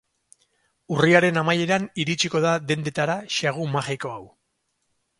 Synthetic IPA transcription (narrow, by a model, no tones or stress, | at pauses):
uriaɾe̞namaje̞ɾaniɾit͡ʃiko̞ð̞aðe̞nd̪e̞t̪aɾaʃaɣ̞umaʝiko̞aw